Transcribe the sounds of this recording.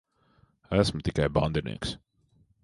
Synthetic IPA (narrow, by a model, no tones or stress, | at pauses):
æsmʊt̪ikajba̰nd̪inḭɛks